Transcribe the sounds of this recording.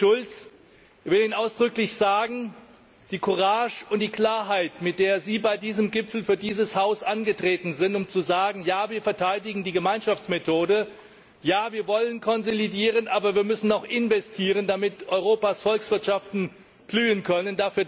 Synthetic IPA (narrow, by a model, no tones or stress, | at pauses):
ʊlt͡s | çv̥ɪliːnʔaʊsd̥ʁʏklɪçz̥aːɡŋ̩ | d̥iːkʰʊʁaːʃʊntd̥iːkl̥aːɐɦaɪtmɪt̚d̥eːɐziːbaɪdiːzəmɡɪpfl̩fyːɐdiːzəshaʊsʔanɡətʁ̥eːtn̩zɪntʊmt͡suzaːɡŋ̩jaːviːɐfɛɐtʰaɪdɪɡŋ̩diːɡəmaɪnʃaft͡smetʰoːdə | jaːviːɐvɔlənkʰɔnzolidiːʁ̞ənʔaːbɐviːɐmʏsn̩ɔʊxʔɪnvɛstʰiːʁəndamɪtʔɔʏʁoːpasfɔlksv̥ɪɐtʃaftn̩ | b̥lyːənkʰœnəndafyːɐ